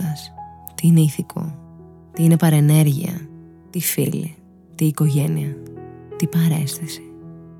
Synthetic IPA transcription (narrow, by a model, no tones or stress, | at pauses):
ɐst̪iineiθikʰo̞̰ | t̪iine̞pɐɾe̞ne̞ɾʝḭɐ̰ | t̪ifḭlḭ | t̪iːko̞ʝe̞niɐt̪ipɐɾe̞̰st̪esi̥